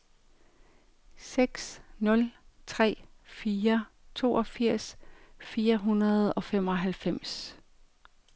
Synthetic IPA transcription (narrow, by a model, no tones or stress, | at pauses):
seɡ̥snɔ̽lt͡sʰʁɛ̰ːfiːɐt͡sʰo̝̰ːʔɒfiɐ̰sfiːɐɦunɐð̞̩ˠɒ̽fem̰ɒ̽ɦælfem̰s